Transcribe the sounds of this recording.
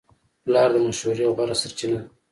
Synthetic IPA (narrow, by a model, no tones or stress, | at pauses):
plɑɾd̪əmaʃhuɾiaɣaɾasaɾt͡ʃina